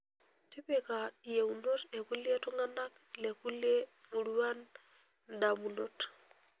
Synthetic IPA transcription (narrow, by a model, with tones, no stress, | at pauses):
ti˦pɛ˨ka˨je˨wnɔ˦tɛ˨ku˦li˦ɛ˦tu˦ŋa˦na˦k | lɛ˨ku˦le˦ | mu˨ɾu˦wa˦n | da˨mu˨no˨t